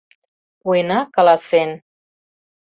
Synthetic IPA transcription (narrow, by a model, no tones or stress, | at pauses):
uenɑkɑlɑsen